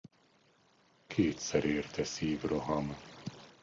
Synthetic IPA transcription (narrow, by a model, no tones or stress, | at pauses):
kʰeːt̪sɛɾeːrt̪ʰɛsiːvroɦɒm